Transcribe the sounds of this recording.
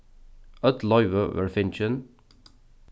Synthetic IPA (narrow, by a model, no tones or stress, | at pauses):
əd̪lɔjvəvə̰ɹfɪnt͡ʃən